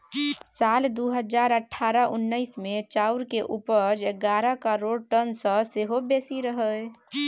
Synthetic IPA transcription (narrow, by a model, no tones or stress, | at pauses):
sald̪uɦəd͡ʒaɾəʈʰːaɾəʔunːəɪsmet͡ʃauɾkeʔupəd͡ʒeɡaɾəkəɾoɽʈənsə̃seɦobesiɾəɦəj